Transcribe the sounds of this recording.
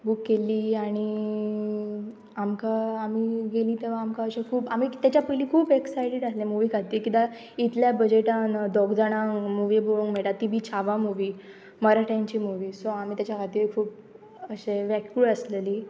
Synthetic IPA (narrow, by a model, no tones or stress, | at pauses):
bukːeliːaɽ̃i | amkaamiːɡeliːt̪eʋ̤aːmkaəɕekʰuːpamiːt̪jat͡ɕjapəiliːkʰuːpeksajɽeɽaslẽmuʋiːkʰat̪iːkit̪a | it̪ljabəd͡ʑeʈãnd̪ɔɡd͡zaɽ̃ãŋmuʋiboɭuŋmeɭʈ̪at̪ibʱiːt͡ɕʰaʋamuʋiː | məɾaʈʰãɲt͡ɕiːmuʋiːsoam̤iːt̪jat͡ɕjakʰat̪iːɾkʰuːp | əɕeʋɛkjuɭəsleliː